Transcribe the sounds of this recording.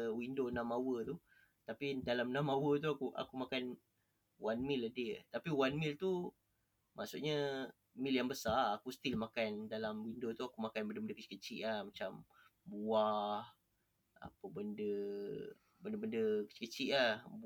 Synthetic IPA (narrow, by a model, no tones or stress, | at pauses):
windonãmawət̪u | t̪apidalamnãmawət̪̬uakuʔa̰kumakan | wanmilədeʔt̪apiwanmilt̪u | ma̰ʔsuʔɲə | miljaŋbəsaakusə̥t̪ilmakandalamwindot̪uakumakanbəndəbəndəkət͡ʃi̥kət͡ʃiʔlahmat͡ʃambuah | a̰pəbəndə | bəndəbəndəkə̥t͡ʃi̥kət͡ʃiʔlahb